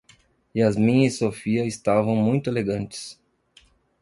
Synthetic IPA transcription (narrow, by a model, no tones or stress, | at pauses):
ɪɐzmĩɲɐsofiɐɪst̪avɐ̃w̃mũj̃t̪ʊeleɡɐ̃nt͡ʃɪ̥s